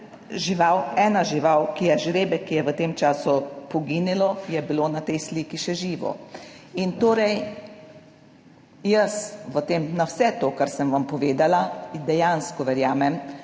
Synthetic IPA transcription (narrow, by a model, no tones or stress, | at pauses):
ʒiʋawɛːnaʒiʋawkijɛʒɾeːbɛkijɛʋət̪eːmt͡ʃaːsupɔɡinilɔjɛbiloːnat̪ɛjsliːkiʃɛʒiːʋɔ̰int̪oːɾɛj | jəsʋət̪eːmnawsɛt̪oːkaɾsəmʋampɔʋeːd̪alad̪ɛjanskɔʋɛɾjaːmɛm